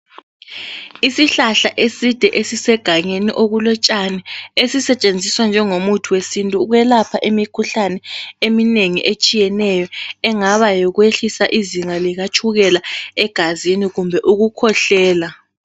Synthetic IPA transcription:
isiɬaɬaʔesid̥ʱɛʔesisɛɡ̥ʱaɲeniʔoɣulɔt͡ʃʼanɛesisɛt͡ʃʼend͡zʱiswand͡ʒʱɛŋomutʰuwesintʼuɣwɛlapʰaʔemikʰuɬanɛemineŋiʔet͡ʃʼijɛnɛjɔɛŋaβajɔɣweɬisaʔiziŋaliɣat͡ʃʰʼuɣɛlaɛɡ̥ʱaziniɣumbʱɛʔuɣukʰɔɬɛːla

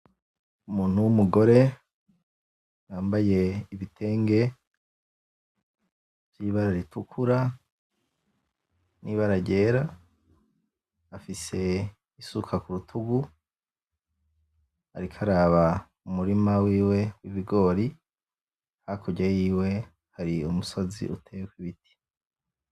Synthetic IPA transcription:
umuːn̥uwumuɡo̞ɾe̞ | waːmbaje̞iβitʰe̞ːŋɡe̞ | vjiβaɾaɾitukʰuɾa | niːβaɾaɟe̞ːɾa | afise̞ | isukʰakuɾutʰuɡu | ha̰ɾikʰaɾaːβa | umuɾimawiːwe̞wiβiɡo̞ːɾi | hakʰoɟejiːwe̞ | haɾiumuso̞zḭʔṵtʰeekwiβitʰi̥

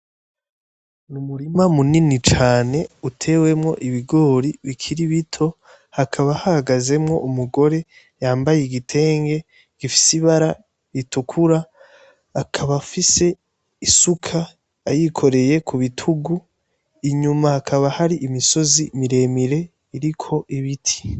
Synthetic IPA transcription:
numuɾimamuninit͡ʃaːne̞utʰe̞we̞mŋo̞̰ʔiβiɡo̞ːɾiβikʰiɾiβitʰo̞ | hakʰaβahahaɡaze̞mŋo̞̰ʔumuɡo̞ɾe̞ | jaːmbajeɡitʰe̞ːŋɡe̞ | ɡ̥ifi̥siβaɾa | βitukʰuɾaː | kʰaβafise̞ | isukʰaː | jikʰo̞ɾe̞je̞kʰuβitʰuɡu | iɲumahakʰaβahaɾiʔimiso̞zimiɾe̞ːmiɾe̞ | iɾikʰo̞ʔiβitʰi̥

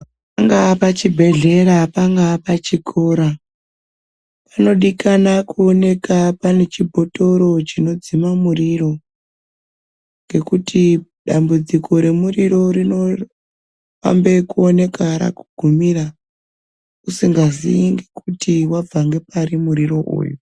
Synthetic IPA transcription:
ppaŋɡapat͡ʃibʱe̞ɮe̞ɾapaŋɡapat͡ʃikʰo̞ɾa | pano̞ɗikanakuone̞kapane̞t͡ʃibʱo̞to̞ɾo̞t͡ʃino̞d͡zimamuriro̞ | ŋɡe̞kutʰi | ɗambud͡zikʰo̞ɾe̞muriɾo̞ɾino̞ | fa̰mbe̞kuone̞kaɾa̰kuɡ̥ʱumiɾa | usiŋɡazḭjiŋɡe̞kutʰiwab͡vaŋɡe̞paɾimuɾiro̞ʔṵːju

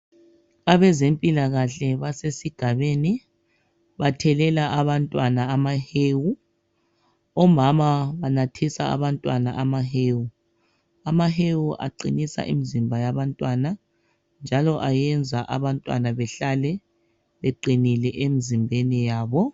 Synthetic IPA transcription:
aβɛzempʼilaɣaɬɛβasesiɡ̥ʱaβeni | βatʰɛlɛlaʔaβantʼwanaːmaheːwu | ɔmamaβanatʰisa̰a̰βantʼwanaʔamaheːwu | amaɦewuʔa̰ǃinisa̰ʔḭmizimbʱajaβantʼwana | nd͡ʒʱalɔʔajɛnd͡zʱaʔa̰βantʼwa̰naβɛɬalɛ | βeǃinilɛʔemizimbʱenijaːβɔ

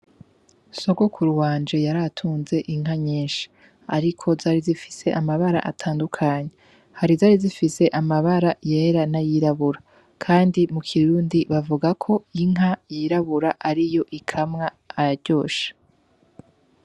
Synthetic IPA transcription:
so̞ɡokʰuɾuwaːnd͡ʒe̞jaɾatʰuːnze̞ʔiŋ̥ɦaɲiːnʃi̥ | aɾikʰo̞zaːɾizifi̥se̞ʔamaβaɾa̰ʔatʰaːndukʰaɲe | haɾizaːɾizifise̞ʔamaβaɾajeːɾanajiɾaβuɾa | kʰaːndimukʰiɾuːndiβavuɡakʰo̞iŋ̥ɦajiɾaβuɾaʔaɾijo̞ʔikʰamŋaː | jaɾɟo̞ːʃḁ

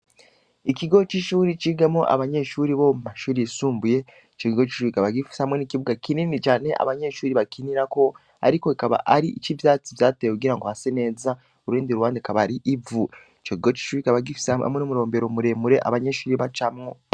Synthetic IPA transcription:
ikiɡo̞t͡ʃiʃuːɾit͡ʃiɡamo̞ʔa̰βaɲe̞ʃuːɾiβo̞mumaʃuːɾijisuːmbuje̞ | it͡ʃokiɡo̞t͡ʃi̥ʃuɾikaβaɡifi̥sehamŋe̞nikiβuɡakininit͡ʃaːne̞ʔa̰βaɲe̞ʃuːɾiβakiniɾako̞ | a̰ɾikoikaβa̰ʔaɾiʔit͡ʃivjaːt͡sivjaːtejekuɡiɾaŋɡo̞hase̞ne̞ːza | oɾuiːndiɾuwaːndekaβaɾiʔivu | it͡ʃokiɡo̞t͡ʃi̥ʃuːɾiikaβaɡifi̥sa̰mŋenumuɾo̞ːmbe̞ɾomuɾe̞ːmuɾe̞ʔa̰βaɲe̞ʃuːɾiβat͡ʃamŋo

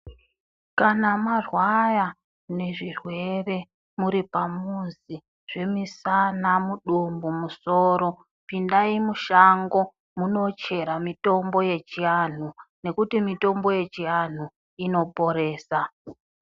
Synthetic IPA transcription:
kanamarwaja | ne̞ʐirwe̞re̞ | muɾipamuzi | ʐ̥e̞misanamuɗumbumuso̞ɾo̞ | pindaimuʃaŋɡo̞ | muno̞t͡ʃe̞ɾamito̞mbo̞je̞t͡ʃian̤une̞kutimito̞mbo̞je̞t͡ʃian̤u | ino̞po̞ɾe̞ːsa

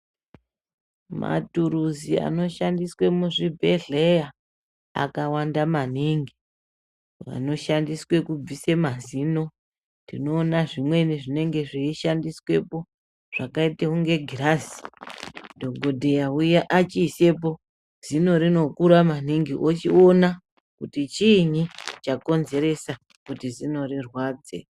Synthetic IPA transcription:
ma̰tuɾuzia̰no̞ʃandiswe̞muʐibʱe̞ɮeja | a̰kawandamaniŋɡi | a̰no̞ʃandiswe̞kub͡visemazino̞ | ndino̞ːnaʐimwe̞niʐine̞ŋɡe̞ʐiiʃandiswe̞po̞ | ʐ̥akaiteuŋɡe̞ɡʱirasi̥ | dʱo̞ɡʱodʱe̞jaujaʔat͡ʃiːse̞p̬o̞ | z̥ino̞ɾino̞kuɾaman̤iŋɡiʔot͡ʃio̞na | kutit͡ʃiɲit͡ʃako̞nze̞ɾe̞sa | kutizino̞ɾirwad͡zḛ

